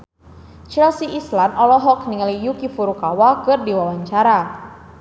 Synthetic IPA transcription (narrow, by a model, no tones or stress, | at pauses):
t͡ʃɛlsiʔislanɔlɔɦɔkniŋalijukifuɾukawakɨrdiwawaɲt͡ʃaɾa